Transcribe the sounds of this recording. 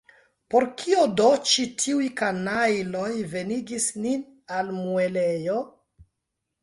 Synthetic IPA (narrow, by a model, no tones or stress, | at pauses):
po̞ɾkʰiodo̞t͡ʃitʰiujkanajlo̞jve̞niɡisnin | almue̞lejo̞